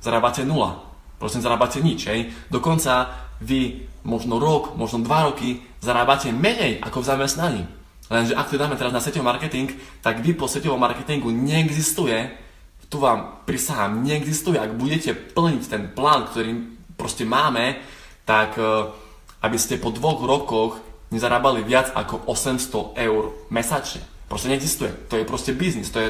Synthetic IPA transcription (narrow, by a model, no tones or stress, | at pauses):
z̥aɾaːbacɛnula̰ | pɾɔ̰siɛzaɾaːbacɛɲit͡ʃɦɛjd̪ɔkɔnt͡saʋimɔʒnɔɾɔkmɔʒnɔd̪ʋaɾɔki | zaɾaːbacɛmɛɲɛjʔa̰kɔvzamɛst̪naɲḭː | lɛnʒɛʔak̚t̪ud̪aːmɛt̪ɛɾaznasɛcɔʋɔmaɾkɛt̪iŋkt̪aɡʋipɔsʋɛcɔʋɔmːa̰ɾkɛt̪iŋɡuɲɛɛɡzist̪ujɛ | t̪uʋaːmpɾisaɦaːmɲɛɛɡzist̪ujɛʔaɡbuɟɛcɛpl̩ɲict̪ɛnplaːnkt̪ɔɾiːpɾɔscɛmaːmɛ | t̪ak | ʔabiscɛpɔd̪ʋɔɣɾɔkɔɣɲɛzaɾaːbaliʋɪad͡za̰kɔʔɔsɛmst̪ɔɛʊɾmɛsat͡ʃɛ̰pɾɔscɛɲɛɡzist̪ujɛ̰t̪ɔjɛpɾɔscɛbiznist̪ɔjɛ